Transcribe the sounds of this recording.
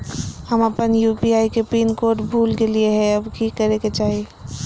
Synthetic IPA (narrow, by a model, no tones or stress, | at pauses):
həməpənjuːpiaːikepiːnkoːɾʈbʱuːlkelieɦɛ̃ɐbkikəɾeket͡ʃaːɦie